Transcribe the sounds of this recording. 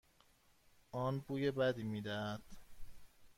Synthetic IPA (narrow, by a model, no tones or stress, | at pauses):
ʔɒːnbuːjebæd̪iːmiːd̪æhæd̪̥